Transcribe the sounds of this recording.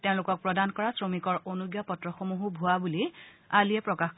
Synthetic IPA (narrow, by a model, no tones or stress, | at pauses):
teʊ̃lʊkɔk̚pɹɔdankɔɹasɹomikɔɹonuɡjapɔtɹɔxomuɦubʱuabuli | aliɛpɹɔkaxk